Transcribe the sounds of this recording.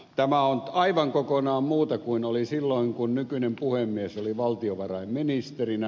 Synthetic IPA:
t̪æmæonɑiʋɑŋkokonɑːmmuːt̪ɑkuinolisilːoiŋkunnykynempuhemːiæsoliʋɑlt̪ioʋɑrɑimminist̪erinæ

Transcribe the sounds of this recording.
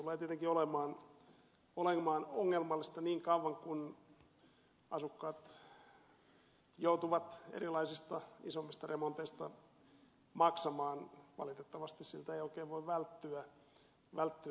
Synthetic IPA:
t̪uleːt̪ieət̪eŋkiolemɑːn | oleŋmɑːnoŋːelmɑlːist̪ɑniːŋkɑuʋɑŋkun | ɑsukːɑːt̪ | jout̪uʋɑt̪ḛrilɑisist̪ɑisomːist̪ɑremont̪eist̪ɑ | mɑksɑmɑːnʋɑ̰lit̪et̪ːɑʋɑst̪issilt̪æeijoikeːʋʋoiʋʋælt̪ːyæ | ʋælt̪ːyæ

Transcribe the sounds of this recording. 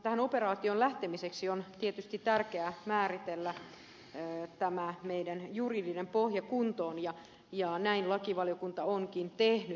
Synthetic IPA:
t̪æhænoperɑːt̪ionlæht̪emiseksiont̪iet̪yst̪it̪t̪ærkeæmæːrit̪elːæ | t̪æmæmeidænjuridinempohjɑkunt̪oːnjɑ | jɑnæinlɑkiʋɑljokunt̪ɑoŋkint̪ehny

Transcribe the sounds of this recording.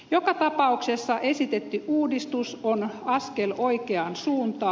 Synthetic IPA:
jokɑt̪ɑpɑuksesːɑʔesit̪et̪ːyʔuːdist̪usonɑskeloikeɑnsuːnt̪ɑː

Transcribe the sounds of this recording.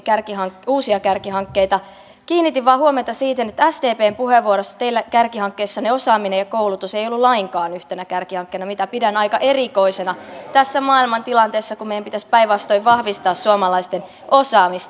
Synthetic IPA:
kærkiɦɑŋkuːsiɑkærkihɑŋkːeijt̪ɑ | kiːnːit̪iʋʋɑːhuomet̪ɑsiːt̪enet̪ːæsdeːpeːmpuheʋːuoɾosːɑ̥t̪eilːækærkihɑŋkːeisːɑneosɑːminejɑkoulut̪useijolːulɑiŋkɑːnyht̪enækærkihɑŋkːeinɑmit̪æpidænɑikɑʔeriko̞isenɑt̪æsːæmɑːilmɑnt̪ilɑnt̪eːsːɑkummejæmpit̪æspæijʋʋɑst̪oiʋʋɑhʋist̪ɑːssuomɑlɑist̪en | osɑːmist̪

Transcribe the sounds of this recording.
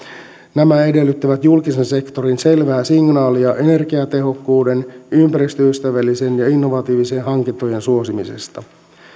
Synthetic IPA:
næmæe̞de̞lːyt̪ːiʋæt̪julkise̞nse̞kt̪o̞ɾinse̞lʋæːsiŋnɑːliɑʔe̞ne̞rkiɑt̪e̞ɦo̞kːuːde̞nympæɾist̪øyst̪æʋælːise̞njɑinːo̞ʋɑt̪iːʋiseːnɦɑŋkint̪ːoje̞nsuo̞simise̞̰st̪ɑ

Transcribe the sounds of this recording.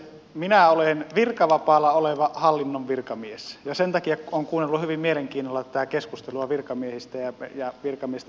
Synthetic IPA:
minæolenʋirkɑʋɑpɑːlːɑoleʋɑhɑlːinːoʋʋirkɑmiesjɑsent̪ɑkijɑoːŋkuːnːelːuhyʋimmieleŋkiːnːolːɑt̪æ̥t̪ækeskust̪eluɑʋirkɑmiehist̪æjɑjɑʋirkɑmiest̪

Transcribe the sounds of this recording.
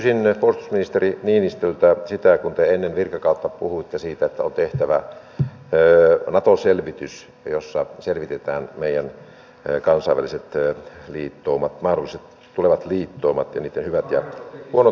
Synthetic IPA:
kysinpolst̪u̥sminist̪eriniːnist̪ølt̪æsit̪ækunt̪eenːenʋirkɑkɑˑut̪ːɑpuhuit̪ːesiːt̪æet̪ːæont̪eht̪æʋæː | nɑt̪oselʋit̪ys | josːɑselʋit̪et̪æːnmeijæn | kɑnsɑiʋæliset̪liːt̪ːoːmɑt̪mɑːhdolːˑiset̪ | t̪uleʋɑt̪liːt̪ːoːmɑt̪jɑ̰niːt̪ːenhyʋæt̪jɑ̰huono

